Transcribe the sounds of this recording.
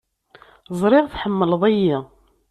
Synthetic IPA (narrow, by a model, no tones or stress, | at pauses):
zˤɾɪʁθħəmːələðˤæjːi